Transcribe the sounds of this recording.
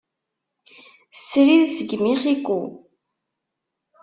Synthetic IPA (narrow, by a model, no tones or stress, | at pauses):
sɾiðzəɡmiχikːu